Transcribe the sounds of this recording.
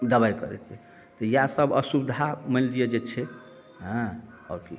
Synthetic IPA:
d̪əbajkəɾɛ̰t̪ɛ | t̪ɔjasəbə̰subd̪ʱaməld̪ijed͡ʒet͡ʃʰɛ | ɦə̃ | ɔ̰ɾki

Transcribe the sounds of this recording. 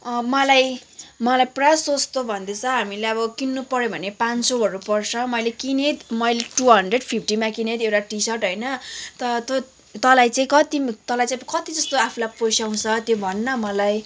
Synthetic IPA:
mʌlajmʌlajprasost̪obʱʌnd̪et͡sʰʌɦamilejʌbʌkinːupʌɾjebʱʌnepant͡soʌɾupʌrt͡sʰʌmʌjlekinet̪mʌjleʈuɦʌɳɖreɖpʰipʰʈimakinet̪ewʈaʈisʌrʈɦʌjnʌt̪ʌt̪o | t̪ʌlajt͡sãĩkʌt̪it̪ʌlajt͡saĩkʌt̪id͡zʌst̪oapʰulaposaw̃t͡sʰʌt̪jobʱʌnːʌmʌlaj

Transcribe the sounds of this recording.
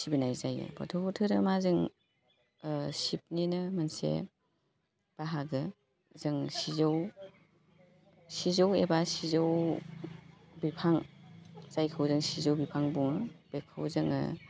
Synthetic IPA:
sibinajzajɯ̰bʰɔ̰tʰɔbutʰɯɾɯmazɯŋ | sip̚ninɯmansḛ | b̥aɦaɡɯ | zɯŋsizow | sizowebasizow | bipʰaŋ | z̥ajkʰɯwzɯŋsizowbipʰaŋbuŋɯb̥ekʰɯwzɯŋɯ̰

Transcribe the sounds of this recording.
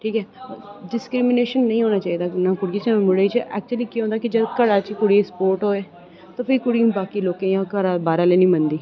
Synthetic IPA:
ʈʰiːkɛːɖɪskɾɪmɪneːʃənːə̃ĩːɦoːnaːt͡ʃaːiːd̪aːnãːkʊɽiet͡ʃːmʊɽeit͡ʃəɛ̰ːk̚t͡ʃuəliːkiɦõːd̪aːkɪd͡ʒəd̪kəɽaːt͡ʃikʊɽiːespoːɾʈɦoːeː | t̪ãːpʰɪɾikʊɽiːũːbaːkiːloːkẽːjãːkəɾaːbaːɾãːleːnĩːmənd̪iː

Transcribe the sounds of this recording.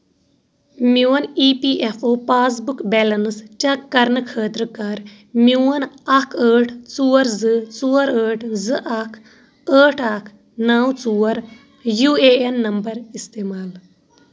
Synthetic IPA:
muɐniːpiʔefʰoːpaːs̬bukbɛlɐnst͡ʃɐkːɐɾnɨkʰəːt̪ɾɨkɐɾ | muɐnɐkʰəːʈʰt͡suːɐɾzɨt͡suːɐɾəːʈʰzɨʔɐkʰ | əːʈʰɐkʰ | nawt͡suːɐɾ | juːeːenːɐmbɐɾist̪eːmaːl

